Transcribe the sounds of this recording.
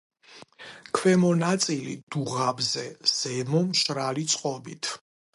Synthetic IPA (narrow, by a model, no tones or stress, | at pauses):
kʰwɛmɔnat̪sʼilḭd̪̥uʁabzɛz̥ɛmɔmʃɾalit̪sʼqʼɔbit̪ʰ